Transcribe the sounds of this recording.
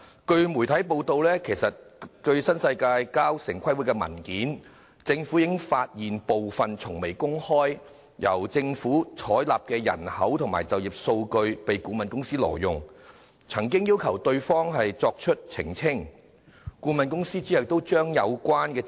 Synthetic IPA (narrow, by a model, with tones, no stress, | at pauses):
kɵ˧ɥmu˨˩jt̪ʰɐ˨˥jp̬o˧wt̪o˨˧wlɛː˥kʰe˨˩jsɐ˨t̚kɵ˧ɥsɐ˥nsɐ˧jkaː˧jkaː˥wsɪ˨˩ŋkʰɐ˥jwu˨˥kɛː˧mɐ̰˨˩nkiː˨˥n | t͡sɪ˧ŋfuː˨˥jɪ˨˥ŋfaː˧t̚jiː˨npo˨wfɐ˨nt͡sʰʊ˨˩ŋme˨˩jkʊ˥ŋhɔː˥j | jɐ̰˨˩wt͡sɪ˧ŋfuː˨˥t͡ʃʰɔː˨˥jlaː˨p̚kɛː˧jɐ̰˨˩nhɐ˨˥wt̪ʰʊ˨ŋma̰ː˨˩jt͡sɐ˨wji˨˩p̚so˧wkɵ˧ɥpe˨jkuː˨˧˥mɐ˨nkʊ˥ŋsiː˥lɔ̰ː˨˩jʊ˨ŋ | t͡sʰɐ˨˩ŋkɪ˥ŋjiː˥wkʰɐ˨˩wt̪ɵ˧ɥfɔː˥ŋɦɐ˨jt͡sɔː˧k̚t͡ʃʰɵ˥t̚t͡sʰɪ̰˨˩ŋt͡sʰɪ˥ŋ | kuː˨˥mɐ˨nkʊ˥ŋsiː˥t͡siː˨˥hɐ˨wt̪o˥wt͡ʃœː˥ŋjɐ˨˧wkʷwaː˥nkɛː˧